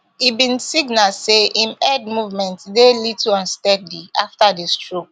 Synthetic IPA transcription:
ibĩnsiɡnalseʔĩmɛd̚muvmɛ̃ntdelitʰuãnstɛdliʔaftadestɹok̚

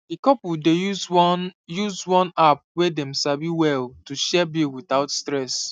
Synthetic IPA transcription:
dikɔpɔdejuzjuzwɔ̃nap̚wedɛ̃msabiwɛltuʃɛbilwiθaʊtstɹɛs

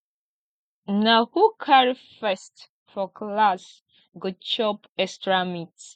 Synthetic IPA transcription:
nahukʰaɹifɛst | fɔklas | ɡot͡ʃɔp | ɛstɹamits

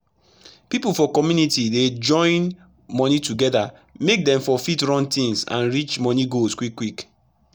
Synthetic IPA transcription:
pipulfɔkɔmjunitided͡ʒɔ̃ɪ̃n | mɔnituɡɛda | mek̚dɛ̃mfɔfitɹɔ̃ntĩŋsã̰nɹit͡ʃmɔniɡoskwikːwik

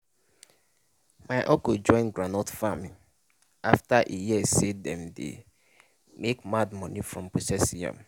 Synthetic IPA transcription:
maɪʔɔkod͡ʒɔ̃ɪ̃nɡɾanɔtfamĩ | aftaʔejɛsedɛ̃mdḛ | mekmad̚mɔ̃nĩfɹɔ̃mpʰosɛsiã̰m

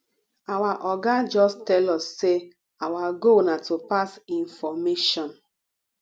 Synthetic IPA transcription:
awaʔɔɡad͡ʒɔstɛlɔsːe | awaɡonatopasinfɔmeʃɔ̃n

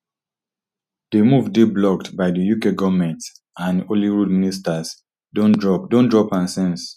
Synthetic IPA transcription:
d̥emuvdeblɔktbaɪdəjukeɡɔvmɛ̃nt | ãnoliɹudministas | dõndɹɔp̚dõndɹɔpãnsɛ̃ns

